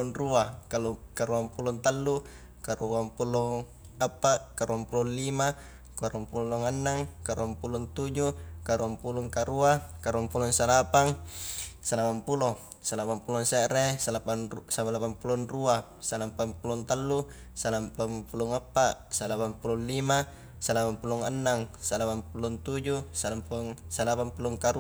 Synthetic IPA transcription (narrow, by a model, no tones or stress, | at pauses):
ɔnruakalukaɾuampulɔnt̪alːu | kaɾuampulɔŋ | apːaʔkaɾuampulɔnlima | kaɾuampulɔŋanːaŋkaɾuampulɔnt̪ud͡ʒukaɾuampulɔŋkaɾuakaɾuampulɔŋsalapaŋ | salapampulɔŋ | salapampulɔŋsɛʔɾesalapansapalapampulɔnrua | salapampulɔnt̪alːu | salampampulɔŋapːaʔsalapampulɔnlima | salapampulɔŋanːaŋsalapampulɔnt̪ud͡ʒusalampuŋsalapampulɔŋkaɾu